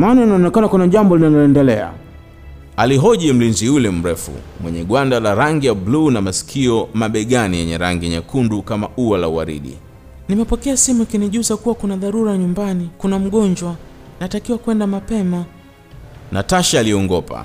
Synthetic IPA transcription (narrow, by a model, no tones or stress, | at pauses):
mananaɔnɛkanakunaʄambɔlinalɔɛndɛlɛa̰ | aliɦɔʄɛm̩linziulɛm̩ɾɛfṵmwɛɲɛɠwandalaɾaŋɡijablunamasi̥kʰiɔmaɓɛɠanijɛɲɛɾaŋɡiɲakʰundukamaʔuwalauwa̰ɾḭɗḭ | nimɛpɔkɛasimukiniʄuzakuwakunaðaɾuɾaɲumbanikunam̩ɠɔɲd͡ʒwa | natakiwakwɛndamapɛma | nataʃaːliɔɔŋɡɔpa̰